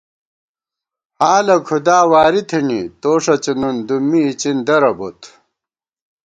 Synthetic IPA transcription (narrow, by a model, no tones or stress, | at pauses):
haːlɐkʰud̪aːwaːɾit̪ʰinit̪oːʂɐt͡ɕinund̪umːiːt͡ɕind̪ɐɾɐbo̰t̪ʰ